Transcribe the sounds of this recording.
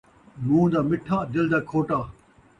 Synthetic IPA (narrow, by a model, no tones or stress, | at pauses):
mũːd̪aːmɪʈʰːãːd̪ɪld̪aːkʰoːʈaː